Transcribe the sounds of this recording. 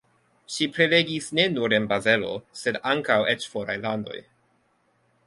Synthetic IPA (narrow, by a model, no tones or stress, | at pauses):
ʃipɾeleɡisne̞nuɾe̞nbaze̞lo̞̰se̞daŋkawet͡ʃfoɾa̰jlando̞̰j